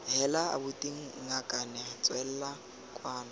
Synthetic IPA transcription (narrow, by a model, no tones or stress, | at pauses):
ɦɛlaa̰bʊtʼiŋ̩ŋakʼanɛt͡sʼwɛl̩la | kʼwaːna